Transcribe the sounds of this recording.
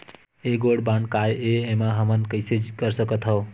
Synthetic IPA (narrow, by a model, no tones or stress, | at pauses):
eɡoɽbaɳkajeemaɦʌmʌnkəjsed͡ʒkʌɾsʌkʌt̪ʰɦʌw